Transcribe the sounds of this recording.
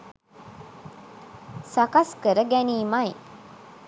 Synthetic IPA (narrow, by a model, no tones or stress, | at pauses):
sakaskəɾəɡæniːmaj